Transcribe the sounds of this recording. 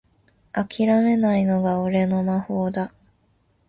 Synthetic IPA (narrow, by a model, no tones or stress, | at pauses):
akʲʰiɾame̞naino̞ɡaoɾe̞no̞maho̞ːd̪a